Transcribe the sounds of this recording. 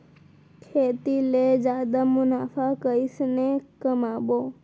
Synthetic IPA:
kʰet̪iled͡ʒad̪amʊnafʰakəisnekəmabo

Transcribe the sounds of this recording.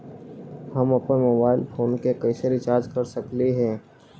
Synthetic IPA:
hɐmɐpənmoːbaːɪlfʰoːnkekɐɪsəɾit͡ʃaːɾd͡ʒkɐɾsɐkliɦɛ̃ː

